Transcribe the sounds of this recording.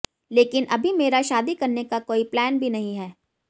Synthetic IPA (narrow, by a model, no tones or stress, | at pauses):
leːkɪnʔɐbʱimeːɾaʃaːd̪ikɐɾnekakoːiplɛːnbʱinɐɦĩɦɛː